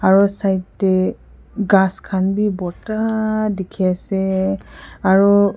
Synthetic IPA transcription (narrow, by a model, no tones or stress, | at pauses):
aɹusajtːɛ | ɡãskʰanbibɔtadekʰiasɛ | aɹu